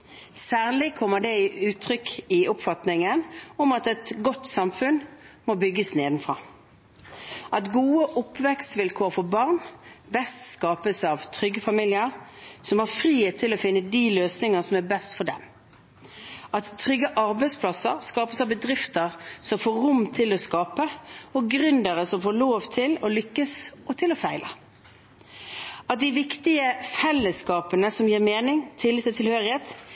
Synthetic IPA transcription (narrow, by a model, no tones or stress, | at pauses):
sæːʁlɪkʰɔmːəd̪ɛɪʉːt̪ʰʁʏkɪʊpfɑt̪nɪŋənɔmɑt̪ɛt̪ɡɔt̪ːsɑmfʉnmɔbʏɡːəsneːd̪məfʁɑː | ʔɑt̪ɡuːəʔʊpʰʋɛkst̪ʋɪlkʰoːʁfɔbɑʁnbɛst̪skɑːpəsɑːʋt̪ʰʁʏɡːəfɑmiːljəʁsɔmæʁfʁiːheːt̪ʰːɪlɔfɪnːəd̪iløːsnɪŋəsɔmæbɛst̪fɔd̪ɛm | ʔɑt̪ʰːʁʏɡːəʔɑɾbæɪspʰlɑsəɾskɑːpəsɑʋbəd̪ʁɪft̪əɾsɔmfoːɾʊmt̪ʰɪlɔskɑːpəɔɡɾʉnd̪əɾəsɔmfoːɾloːʋt̪ʰɪlɔlʏkːəsɔt̪ʰɪlɔfæɪlʔə̰ | ɑt̪̚d̪ɪʋɪkt̪ɪəfɛlːəskɑːpənəsɔmjiːʁmeːnɪŋt̪ʰɪlːɪt̪ːɪlt̪ʰɪlhøːɾɪheːt̪